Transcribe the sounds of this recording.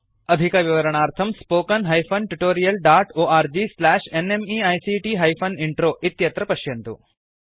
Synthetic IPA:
ɐd̪ʱikɐʋiʋɐɾɐɳaːɾt̪ʰɐmspoːkɐnɦɐjpʰɐnʈuʈoːɾijɐlɖaːʈoːʔaːɾd͡ʒiːslæːʂenemiɐjsiʈiɦɐjpʰɐniɳʈɾoːʔit̪jɐt̪ɾɐpɐʃjɐnt̪ṵ

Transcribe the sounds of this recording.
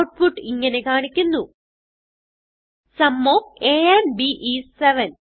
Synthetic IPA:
wʈ̚fuʈːɨiŋːɐne̞kaːɳikʲːunːu | sɐmːoːeːenbiʔiseʋɐn

